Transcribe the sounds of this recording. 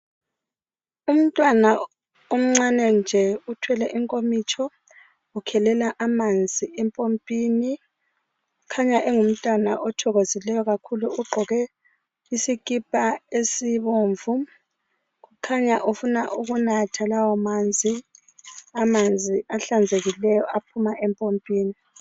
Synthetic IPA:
um̩tʼwana | om̩ŋ͡ǀanɛnd͡ʒʱɛutʰwɛlɛʔiŋkʼomit͡ʃʰʼɔ | ukʰɛlɛlaʔamand͡zʱiʔɛmpʼompʼiːni | ukʰaɲaʔɛŋum̩tʼwana̰ʔɔtʰɔɣozilɛjɔɣakʰuluuɡ͡ǃʱɔɣɛ | isikʼipʼaesiβoːɱvu | ɣukʰaɲaʔufunaʔuɣunatʰalawɔmand͡zʱi | amand͡zʱiaɬand͡zʱeɣilɛjɔapʰumaʔɛmpʼompʼiːni

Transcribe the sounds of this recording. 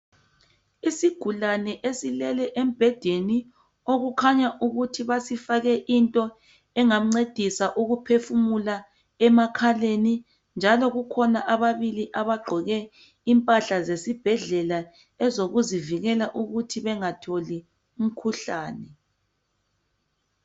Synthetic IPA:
isiɡ̥ʱulanɛʔesilɛlɛʔem̩b̥ʱɛd̥ʱeni | oɣukʰaɲaʔuɣutʰiβasifaɣɛʔintʼɔ | ɛŋam̩ŋ͡ǀed̥ʱisaʔuɣupʰefumula | ɛmakʰaleni | nd͡ʒʱalɔɣukʰɔnaʔaβaβiliʔaβaɡ͡ǃʱɔɣɛ | impʼaɬazesib̥ʱɛɮɛla | ɛzoɣuziviɣɛlaʔuɣutʰiβɛŋatʰoli | um̩kʰuɬaːnɛ

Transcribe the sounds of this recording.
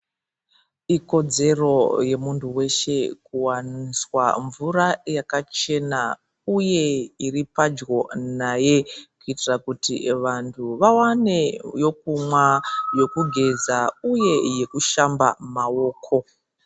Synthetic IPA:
iko̞d͡ze̞ro̞je̞muntʰuwe̞ʃe̞kuwaniswa̰ɱvuɾajakat͡ʃe̞na | uje̞iripad͡ʒɡo̞najekuitirakutḭʋantʰuʋawane̞jo̞kumwajo̞kuɡʱe̞zauje̞je̞kuʃamba̰mao̞ːkʰo̞

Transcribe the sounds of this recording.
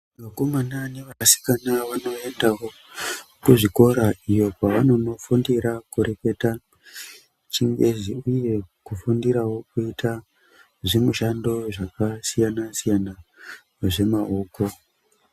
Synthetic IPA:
ʋako̞manane̞ʋasi̥kanaʋano̞e̞ndawo̞ | kuʐiko̞ɾaijo̞paʋano̞no̞fundiɾakuɾeke̞ta | t͡ʃiŋɡe̞ziuje̞kufundiɾawo̞kuitʰa | ʐemuʃando̞ʐakasijanasijana | ʐe̞mao̞ːko̞

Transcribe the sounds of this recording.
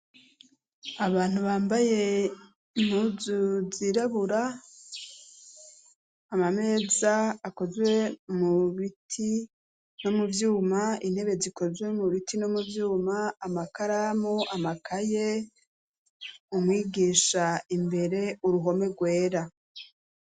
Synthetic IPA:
aβaːn̥huβaːmbaje̞ | muzuziɾaβuɾa | mame̞ːzaːko̞zwe̞muβitʰi | no̞muvjuːmain̥he̞βe̞ziko̞zwe̞muβitino̞muvjuːmaːmakaɾamoʔamakʰaje̞ | umwiːɡiːʃaimbe̞ɾe̞uɾuɦo̞me̞ɡwe̞ːɾa

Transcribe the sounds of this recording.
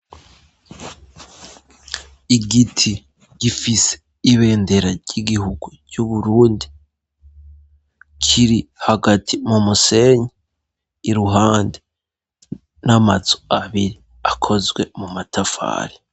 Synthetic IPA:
iɡitʰi | ɟ̥ifise̥ | iβe̞ːnde̞ɾaɾɟiɡihuɡu | ɟ̥uβuɾuːndi | kʰiɾihaɡatʰimumuse̞ɲeː | ɾuɦaːnde | namazoaβiɾi | akʰo̞zɡwe̞mumatʰafa̰ːɾi

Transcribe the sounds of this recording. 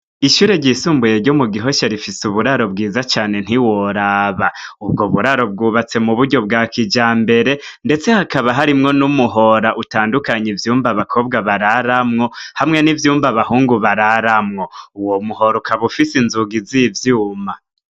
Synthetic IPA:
iʃuːɾe̞ɟisuːmbuje̞ɾɟomuɡiɦo̞ʃeɾifisuβuɾaɾo̞b̚ɡiːzat͡ʃaːne̞n̥iwoɾaβaub̚ɡoβuɾaɾo̞b̚ɡuːβat͡se̞muβuɾɟo̞b̚ɡaːkid͡ʒaːmbe̞ɾe̞nde̞t͡se̞hakaβaɦaɾimŋo̞numuɦo̞ɾaʔutaːndukaɲivjuːmbaβakʰo̞ːb̚ɡaβaɾaɾamŋo̞hamŋe̞nivjuːmbaβahuːŋɡuβaɾaɾamŋo̞uwomuho̞ɾokaβufisinzuɡizivjuːma

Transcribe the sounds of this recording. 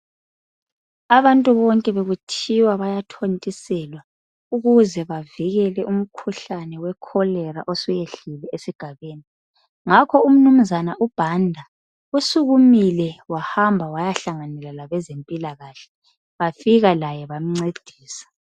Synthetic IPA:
aβantʼuβɔŋkʼɛβeɣutʰiwaβajatʰontʼisɛlwa | uɣuzɛβaviɣɛlɛʔum̩kʰuɬanɛwɛkʰɔlɛɾa̰ʔɔsujeɬilɛʔesiɡ̥ʱaβeːni | ŋakʰɔum̩num̩zanaʔub̥ʱandʱa | usuɣumilɛwahambʱawajaɬaŋanɛlalaβɛzempʼilaɣaɬɛ | βafiɣalajɛβam̩ŋ͡ǀed̥ʱiːsḁ

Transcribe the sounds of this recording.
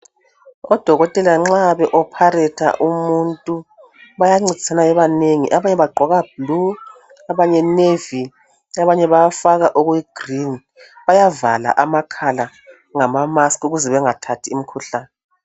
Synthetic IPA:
ɔd̥ʱɔɣɔtʼɛlaŋ͡ǁaβɛʔɔpʰarɛtʰa̰ʔumuntʼu | βajaŋ͡ǀid̥ʱsanajɛβaneŋḭʔaβaɲɛβaɡ͡ǃʱɔɣab̥̚lu | aβaɲɛnevi | aβaɲɛβajafaɣaʔɔɣwɛɡ̥rin | βajavala̰ʔamakʰala | ŋamamaskʼuɣuzɛβɛŋatʰatʰiːmikʰuɬaːnɛ

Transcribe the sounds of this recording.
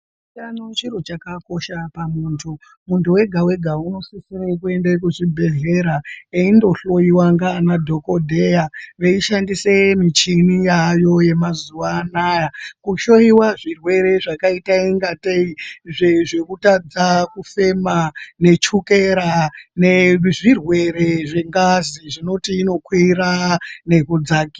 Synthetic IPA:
anot͡ʃiɾo̞t͡ʃakako̞ʃapamuːntʰu | muntuwe̞ɡʱawe̞ɡʱauno̞sisiɾekue̞ndekuʐibʱe̞ɮe̞ɾaeindo̞ɬo̞jiwaŋɡaːnadʱo̞ko̞dʱejaʋeiʃandisemit͡ʃinijajo̞je̞mazuʋaːnaːjakuʃo̞jiwaʐirwe̞ɾe̞ʐakaitaiŋɡateiʐeʐe̞kutad͡zakufe̞mane̞t͡ʃuke̞ɾaneʐirwe̞ɾe̞ʐeŋɡaziʐino̞tiːno̞kwiɾane̞kud͡zaːki̥

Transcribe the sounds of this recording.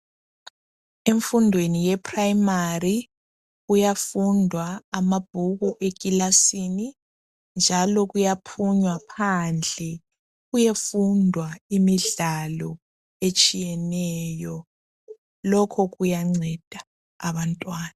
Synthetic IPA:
eɱfundʱwenijɛpʰʼrajimari | ujafundʱwaːmab̥̚ʱuɣuʔekʼilasini | nd͡ʒʱalɔɣujapʰuɲwapʰand͡ɮʱɛ | ɣujefundʱwaimiɮalɔ | et͡ʃʼijɛnɛjɔ | lɔkʰɔɣujaŋ͡ǀɛd̥ʱaː | βantʼwaːna

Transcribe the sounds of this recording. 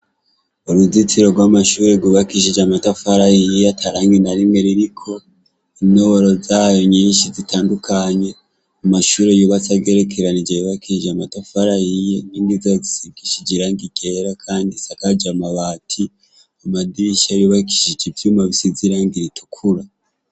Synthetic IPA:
oɾuzit͡siɾo̞ɡwamaʃuːɾeɡuβakiʃ̬id͡ʒamatafaɾajijeatʰaɾaːŋɡinaɾimŋeɾiɾikʰo̞ | inoβoɾo̞zaːjo̞ɲiːnʃizitʰaːndukʰaɲe̞ | amaʃuːɾejuβat͡saɡe̞ɾekʰeɾanid͡ʒajoβakiʃid͡ʒamatafaɾajijeniːŋɡizazisibɡiʃid͡ʒiɾaːŋɡiɡeɾakʰaːndisakad͡ʒamaβaːtʰi | amadiʃajuβaki̥ʃid͡ʒivjuːmaβisiziɾaŋɡiɾitʰu̥kʰuɾa

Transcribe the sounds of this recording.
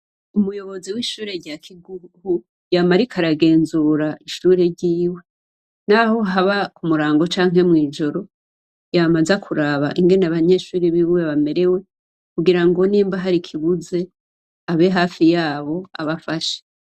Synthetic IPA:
umujo̞βo̞ziwiːʃuːɾe̞ɾɟaːkʰiɡuhu | jamaɾikʰaɾaɡe̞ːnzuɾaiʃuːɾe̞ɾɟiːwe̞ | naho̞ɦaβakumuɾaːŋɡo̞t͡ʃaːŋ̥ɦe̞mŋiːd͡ʒo̞ɾo̞ | jamazekʰuɾaβa̰ʔiŋɡe̞naβaɲe̞ːʃuːɾiβiweβame̞ɾe̞we̞ | kuɡiɾaŋɡoniːmbaɦaɾikʰiβuze̞ | aβe̞ɦaːfijaːβo̞a̰βafaʃe̥

